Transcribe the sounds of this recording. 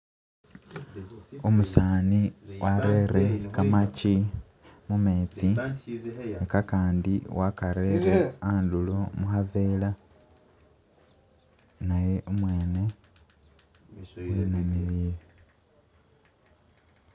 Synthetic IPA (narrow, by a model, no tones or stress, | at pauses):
umusaːniwaɾe̞ɾe̞kamaci | mume̞ːt͡si | ekakaːndiwʔakaɾeɾeaːndulomuxaveːla | naje̞ʔumwe̞ːne̞ | wenamiβiːβi